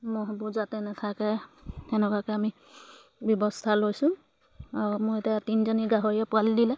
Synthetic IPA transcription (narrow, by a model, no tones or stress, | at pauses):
moɦɔbuzatɛnɛtʰakɛtɛnɛkakɛami | bjɔbɔstʰalojsʊ̃ | aɹɔmojetijatinzɔniɡaɦɔɹiɛpʊaldilɛ